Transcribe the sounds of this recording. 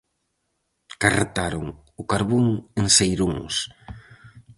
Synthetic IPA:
karet̪aɾoŋ | ʊkaɾβuŋensejɾuŋs

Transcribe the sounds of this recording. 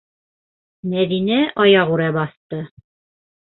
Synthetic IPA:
mæðinæʔɑjɑʁʉɾæbɑθt̪ɤ

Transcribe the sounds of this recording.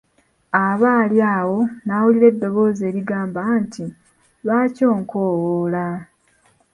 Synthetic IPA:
aβaːljaːwo̞naːwuliɾe̞dːo̞βo̞ːze̞ːɾiɡaːmbantʰi | βaːco̞ːŋkoːwola

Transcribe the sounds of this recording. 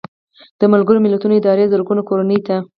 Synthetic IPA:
d̪̥əmalɡəɾomɪlat̪unoɪd̪ɑɾezəɾɡunakoɾanəjt̪a

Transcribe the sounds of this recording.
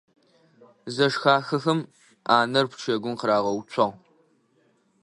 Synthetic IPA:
zɐʂxaːxɐxɐm | aːnɐrpʰʷt͡ʃʰɐɡʷʊnqəɾaːʁɐwʊt͡ʃʷʰɐʁ

